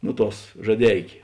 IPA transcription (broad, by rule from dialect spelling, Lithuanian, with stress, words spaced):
ˈnʊ ˌtuɔs ʒɐˈdʲɛɪkʲeː